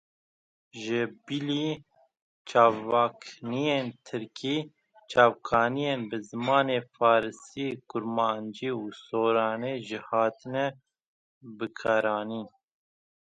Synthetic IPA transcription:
ʒɪbiliː | t͡ʃʰɑːvaːkʰnijeːnt̪ʰɨɾkʰiː | t͡ʃʰɑːvkʰɑːnijeːnbɨzɨmɑːneːfɑːɾɨsiːkʊɾmɑːnd͡ʒiːuːsoːɾɑːneːʒɪhɑːt̪ɨnɛ | bɨkʰɑːɾɑːniːn

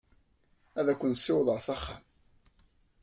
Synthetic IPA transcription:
æðækʷːənsːɪwðˤəɾˤsæχːæ̰m

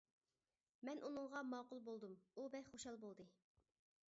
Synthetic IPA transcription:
mɛnʔunɨŋʁɑmɑqʊlˠbolˠd̪umubɛjχoʃɑlˠbolˠd̪ɨ

